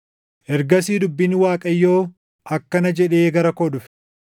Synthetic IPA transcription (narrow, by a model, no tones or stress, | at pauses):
ʔɛɾɡɐsiːd̪ʊbːɪnwaːkʼɐjːo̞ː | ʔɐkːɐnɐd͡ʒɛᶑeːɡɐɾɐkɔᶑʊfɛ̥